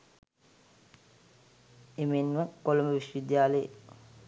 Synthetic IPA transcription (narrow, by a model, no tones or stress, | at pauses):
emenʋəkoloməʋiʃʋid̪jaːləjḛ